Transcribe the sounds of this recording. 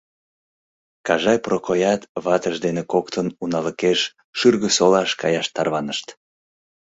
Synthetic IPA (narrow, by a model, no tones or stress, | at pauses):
kɑʒɑjprokojɑt̪βɑt̪əʃd̪enekokt̪ənunɑləkeʃː | yrɣəsolɑʃkɑjɑʃt̪ɑrβɑnəʃt̪